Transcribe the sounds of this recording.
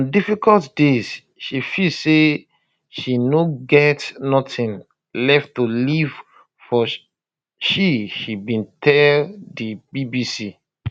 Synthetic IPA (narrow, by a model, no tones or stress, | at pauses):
ɔ̃ndifikɔltdez̥ | ʃifilse | ʃinoɡɛtnɔtĩn | lɛftuliv̥ | fɔ | ʃiʃibĩntʰɛldibibisi